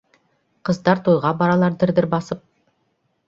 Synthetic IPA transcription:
qʰə̆zd̪ɑɾt̪ʰojʁɑbɑɾɑlˠɑɾd̪ɪɾd̪ɪɾbɑsəp̚

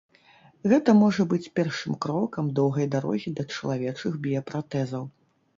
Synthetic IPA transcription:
ɣɛt̪ɐmɔʐɐbɨt͡sʲpʲɛrʂɨmkɾɔkɐmd̪ɔwɣɐjd̪aɾɔ̰ɣʲid̪ɐt͡ʂɐlˠavʲɛt͡ʂɨxbʲijɐpɾat̪ɛzɐw

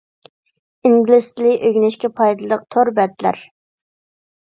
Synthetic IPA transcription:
iŋɡlɪst̪lɪʔøɡʲnɪʃkʲɛpʰɑjd̪ɨlˠd̪əq̚t̪ʰoɾbɛt̪læ̰ɾ

